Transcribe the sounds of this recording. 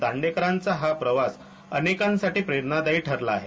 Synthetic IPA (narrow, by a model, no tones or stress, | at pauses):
d̪aɳɖekəɾant͡saɦapɾəʋas | ənekãnsaʈiːpɾeɾnad̪aiːʈʰəɾlaːɦe